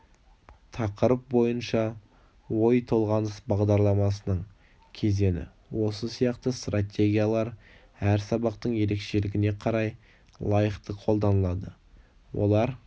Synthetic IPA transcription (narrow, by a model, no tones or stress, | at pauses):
t̪ʰɑqəɾəp̚bo̞jənʃɑ | wo̞jt̪ʰo̞lˠʁɑnəsbɑʁd̪ɑɾlˠɑmɑsənəɴ | kʲʰe̞ze̞nɪ̰ | wʔo̞səsijɑqt̪əst̪rat̪ʲe̞ɡʲijalˠɑɾ | æɾsɑbɑqt̪əɴje̞ɾe̞kʃe̞lɪɡʲɪne̞qʰɑɾɑj | lˠɑjəqt̪əqʰo̞lˠd̪ɑnəlˠɑd̪ə | wo̞̰lˠɑɾ